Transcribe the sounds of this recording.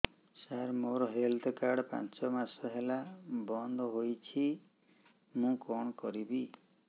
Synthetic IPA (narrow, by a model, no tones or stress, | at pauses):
saɾmoɾɔɦeld̪ɔkaɽpa̰nt͡ʃɔmasɔɦelabɔnd̪ʱɔɦojt͡ʃʰi | mũkɔɳ̃ɔkɔɾibi